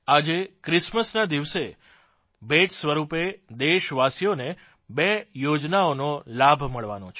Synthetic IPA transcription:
ad͡ʒekɾɪsməsnad̪iʋse | bed͡ʒsʋəɾuped̪eʃʋasijone | bejod͡ʒnaonolabʱməɭʋa̰not͡ʃʰ

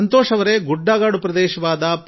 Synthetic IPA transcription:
ɐnt̪oːʂɐʋɐɾeɡuɖːaːɡaːɽupɾɐd̪ɛːʃɐʋaːd̪ɐp

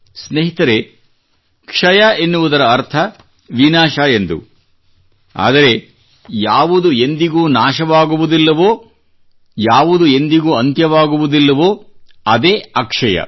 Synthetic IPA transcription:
sneɦit̪ɐɾe̞ | kʂɐjae̞nːuʋud̪ɐɾɐːɾt̪ʰɐ | ʋinaːʃae̞nd̪ṵ | a̰ːd̪ɐɾe̞ | jaːʋud̪ue̞nd̪iɡuːnaːʃɐʋaːɡuʋud̪ilːɐʋoː | jaːʋud̪ue̞nd̪iɡuːɐnt̪jɐʋaːɡuʋud̪ilːɐʋoː | ɐd̪eːɐkʂɐjɐ̰

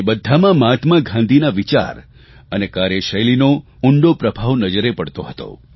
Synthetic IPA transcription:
bəd̪ʱːamãmaʈʰmãɡʱãnd̪ʱinaʋit͡ʃa̰ɾ | ənekaɾjəʃəjlino | ʊɳɖopɾəbʱaʋnəd͡ʒəɾepəɽt̪oɦət̪o̰

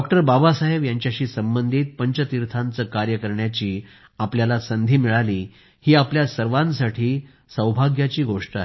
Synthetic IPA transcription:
ɔk̚ʈəɾbabasaɦeʋjaɲt͡ɕjaɕiːsəmbənd̪ʱiːt̪̚pəɲt͡ɕət̪iɾt̪ʰãnt͡səːkaɾjəkəɾɳjat͡ɕiː | apljalasənd̪ʱiːmiɭaliː | hiːapljasəɾʋãnsaʈʰiː | səwbʱaɡjat͡ɕiːɡoʂʈaɦe

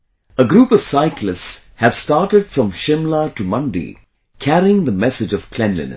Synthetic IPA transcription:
əɡɾuːpʌv̥saɪklɨstshæv̥staːʈəɖ̥fɹʌ̃mʃɪ̃mləʈumʌ̃nɖḭ | kʰæɾiɪ̃ŋd̪əmɛsɨd͡ʒʌv̥kʰlɛ̃nlɨ̰̃n̰

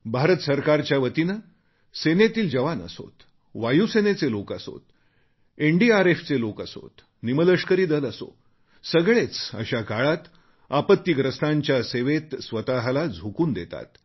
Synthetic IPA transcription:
bʱaɾət̪əsəɾkaɾt͡ɕjaʋət̪inə | senet̪iːld͡ʑəʋanə̰so̰t̪ | ʋajusenet͡selokaso̰t̪ | eɳɖiaɾeft͡selokəso̰t̪ | nimələʂkəɾiːd̪ələso̰ | səɡɭet͡sə̰ɕakaɭat̪ | apət̪ːiːɡɾəsnaɲt͡ɕjaseʋet̪sʋət̪aɦlad͡zʱukuːnd̪et̪a̰t̪

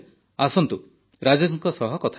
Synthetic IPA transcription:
asɔnt̪u | ɾad͡ʒasɔŋkɔsɔɦɔkɔt̪ʰa

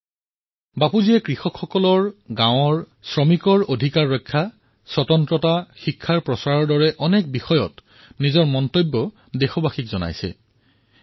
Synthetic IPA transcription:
bapuziɛkɹixɔkʰxɔkɔlɔɹɡãw̃ɔɹ | sɹɔmikɔɹodʱikaɹːɔjkʰːa | swɔtɔntɹɔtaxikʰːaɹpɹɔsaɹɔɹdɔɹɛʔɔnɛk̚bixɔjɔ̰t | nizɔɹmɔntobːɔ | dexɔbaxikzɔna̰jsɛ̰

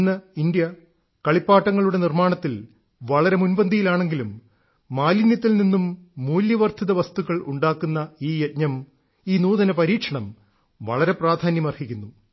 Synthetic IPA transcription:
nːɐind̪jɐ | kɐɭipːaːʈːɐŋːɐɭuɽe̞nirmaːɳɐt̪ːil | ʋɐɭɐɾe̞munbɐnd̪ʱijilaːɳe̞ŋɡilumː | aːlinjɐt̪̬ːilninːumːuːljɐʋɐrt̪ʰiðɐʋɐst̪uɣɐɭṵɳɖaːkːunːɐiːjet̚ɲɐm | iːnuːðɐnɐpɐɾiːkʂɐɳɐm | ʋɐ̰ɭɐɾe̞praːd̪ʱaːnjɐmɐrhikʲːunːu

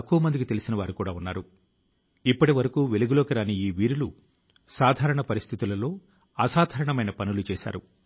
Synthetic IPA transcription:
kːuʋɐmɐnd̪ikit̪e̞lisinɐʋaːɾukuːɽaːunːaːɾu | ipːɐʈiʋɐɾɐkuːʋeluɡulo̞ːkiɾaːniiːʋiːɾulu | saːd̪ʱaːɾɐɳɐpɐɾist̪ʰit̪ulɐlo̞ː | ɐsaːd̪ʱɐːɾɐɳɐmɐjnɐpɐnulut͡ʃɛːʃa̰ːɾu

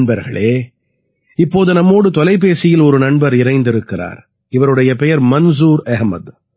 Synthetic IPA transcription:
ɳbɐɾɣɐ̰ɭeː | ɪpːoːðɯnɐmːoːɽɯt̪ɔlɐɪp̬ːeːsɪjɪlɔɾɯnɐɳbɐɾɪɾɐɪnd̪ɪɾɯkːɪra̰ːɾ | ɪʋɐɾɯɽɐjɐpɛjɐɾmɐns̬uːɾɐɦmɐ̰d̪

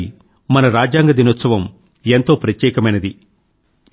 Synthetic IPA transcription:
mɐnɐɾaːd͡ʒaːŋɡɐd̪inot̪sɐʋɐm | ent̪o̞ːpɾɐt̪jɛːkɐmɐjnɐd̪i

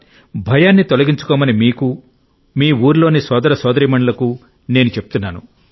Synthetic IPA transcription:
bʱɐjaːnːit̪olɐɡiɲt͡ʃu̥kɔːmɐnimiːku | miːuːɾlo̞ːnisɔːd̪ɐɾɐsɔːd̪ɐɾiːmɐɳɐlɐku | ne̞ːnut͡ʃepu̥t̪unːaːnṵ

